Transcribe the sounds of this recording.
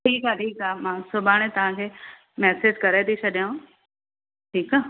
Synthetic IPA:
ʈʰiːkaʈʰiːkamãːsʊbʱaːɽ̃et̪ɐʋ̤ãkʰeː | mɛːsed͡ʑkɐɾet̪ʰit͡ɕʰɐɗjã | ʈʰiːkaː

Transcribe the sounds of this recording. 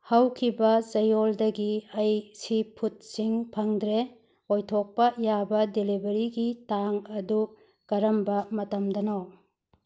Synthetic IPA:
hɐwkʰibɐzɐjoldɐɡiɐjsipʰut̚siŋpʰɐŋdɾe | ojtʰok̚pɐjabɐdelibɐɾiɡitaŋɐdu | kɐɾɐmbɐmɐtɐmdɐnaw

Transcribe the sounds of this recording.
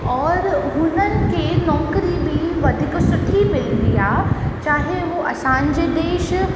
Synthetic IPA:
ɔːɾɦʊnənɪ̆kʰeːnɔːkɾibɪʋɐd̪ʱɪksʊʈʰimɪlʋiaːt͡ɕaːɦeʋoʔɐsãːɲd͡ʑed̪eːʃ

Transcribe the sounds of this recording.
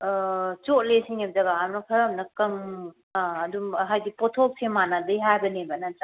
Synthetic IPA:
t͡ʃot̚lesiŋemzaɡaːɾnɐkʰɐɾɐmnɐkɐm | ɐdumɦajɡipɔtʰok̚semanadɐjɦajbɐnebɐnat͡ʃa

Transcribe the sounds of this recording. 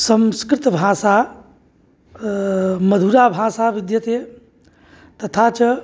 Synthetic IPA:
sə̃mskɾɪt̪bʱaːsa | məd̪ʱuɾabʱaːsaʋid̪jət̪e | t̪ɐt̪ʰat͡ʃɐ

